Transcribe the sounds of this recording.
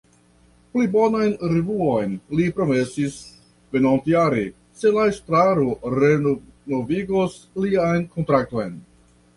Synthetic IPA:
plibo̞najnɾevuo̞jnlipɾo̞me̞sis | ve̞nontiaɾe | se̞laestɾaɾoɾe̞no̞viɡosliajnko̞ntɾak̚to̞jn

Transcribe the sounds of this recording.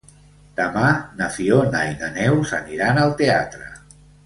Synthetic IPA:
d̪̥əmanəfionajnənɛwzəniɾanəlˠt̪eat̪ɾə̰

